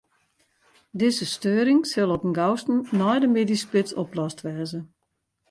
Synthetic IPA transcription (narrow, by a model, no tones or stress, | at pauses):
dɪzəstøːɾɪŋsɪlˠɔpənɡawstn̩nɔjdəmeːdispɪsɔplɔstʋɛːzə